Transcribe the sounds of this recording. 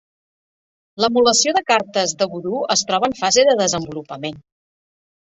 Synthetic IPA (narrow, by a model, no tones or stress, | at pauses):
ləmuləsioðəkaɾt̪əzðəɣuðuəst̪ɾɔβəɱfazeðəðəzəmbulupəmen